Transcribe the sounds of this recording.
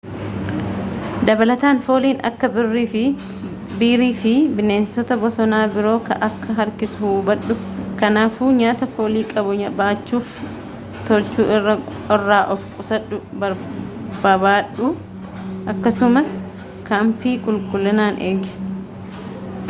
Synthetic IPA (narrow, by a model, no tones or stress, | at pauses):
d̪ɐbɐlɐt̪aːnfo̞ːliːnɐ̰kːɐbɪrːiːfɪ | biːɾiːfɪbɪne̞ːnsɔt̪ɐbɔsɔnaːbɪɾo̞ːkɐ̰ʔɐkːɐɦɐɾkɪsʊhuːbɐᶑʊ | kɐnaːfuːɲaːt̪ɐfo̞ːliːkʼɐbʊɲɐbaːt͡ʃːuːf | t̪ɔlt͡ʃuːʔɪrːɐ | ɔrːaːʔɔfkʼʊsɐᶑʊbɐɾbɐbaːᶑʊ | ʔɐkːɐsʊmɐs | kampiːkʼʊlkʼʊlːɐnaːnʔeːɡɪ̥